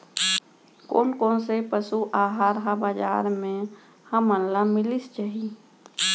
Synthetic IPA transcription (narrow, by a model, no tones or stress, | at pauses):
ko̰ːnkoːnsepəsuʔaːɦaːɾɦabaːd͡ʒa̰ːɾmẽ | həmənlamɪlist͡ʃaɦi